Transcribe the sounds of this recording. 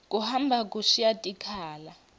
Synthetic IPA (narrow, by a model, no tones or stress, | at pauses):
kʼuhambʱakʼuʃijatʼikʰaːla